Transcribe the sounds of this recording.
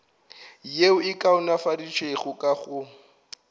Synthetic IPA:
jeʊɪkʼaʊnafarit͡ʃʰeɣʊkʼaɣʊ

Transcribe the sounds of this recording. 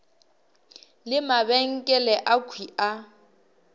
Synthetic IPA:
lɪmabɛŋ̩kʼɛlɛʔakʰwia

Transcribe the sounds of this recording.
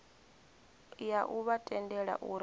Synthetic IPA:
jaʔuβatʼɛndɛɺa̰ʔuɾ

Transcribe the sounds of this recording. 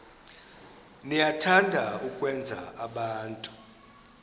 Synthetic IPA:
nijatʰandʱaukʼwɛnd͡zʱa̰aɓaːntʼu̥

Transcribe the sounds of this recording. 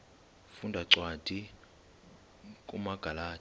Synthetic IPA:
fundʱaǀwad̥ʱi | kʼumaɡ̥ʱalaː

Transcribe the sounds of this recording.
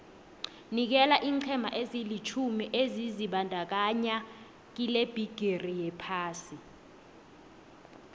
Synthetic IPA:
nik̬ɛlaʔiːŋǃʰɛmʱaʔezilit͡ʃʰumiʔeziziɓandʱak̬aɲa | k̬ileb̥ʱiɡ̥ʱerijɛpʰaːsi

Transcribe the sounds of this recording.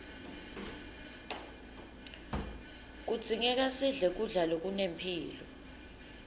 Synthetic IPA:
k̬ud̥z̥ʱiŋɛk̬asiɮɛk̬uɮalok̬unempʰiːlɔ

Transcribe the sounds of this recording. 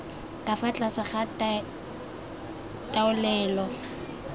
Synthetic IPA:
kʼafat͡ɬʼasaχa | tʼaʊlɛːlɔ

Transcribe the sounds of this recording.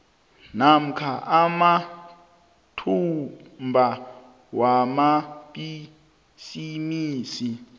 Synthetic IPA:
nam̩kʰaʔama | tʰumbʱa | wamaɓi | simiːsi

